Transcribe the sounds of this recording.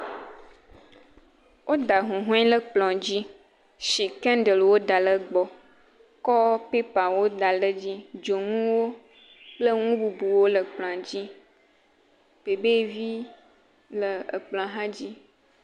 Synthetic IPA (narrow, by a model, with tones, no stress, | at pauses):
wʔo˦d̪a˨ɦũ˨ɦũ˦ɛ̃˦lə˦k͡plɔ̃˨d͡ʑi˦ | ʃi˨kɛ̃˦ndə˨lwo˦d̪a˨lə˨ɡ͡bɔ˨ | kɔ˦pe˦pa˨wo˦d̪a˨lə˦d͡ʑi˦d͡ʒo˨ŋũ˦wo˦ | k͡plə˦ŋũ˦bu˨bu˨wo˦lə˨k͡plɔ̃˨a˨d͡ʑi˦ | pe˨be˦˨vi˦ | lə˨ə˨k͡plɔ̃˨a˨ɦã˦d͡ʑi˦